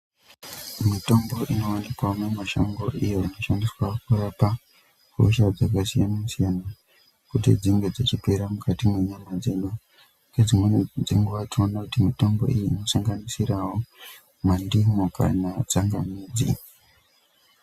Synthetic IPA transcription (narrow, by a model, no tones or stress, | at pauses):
mito̞mbo̞ʔino̞wanikwamwemaʃoŋɡo̞ʔijo̞ino̞ʃandiswakurapa | ko̰ʃad͡zakasijanamusijana | kutḭd͡ziŋɡed͡zet͡ʃipe̞ɾamukʰatimwe̞ɲamad͡ze̞no | ked͡zimwed͡zeŋɡoʋationakutimito̞mbo̞̰ʔijiːno̞saŋɡanisiɾawo̞ | mandimoka̰nad͡zaŋɡamiːd͡zḭ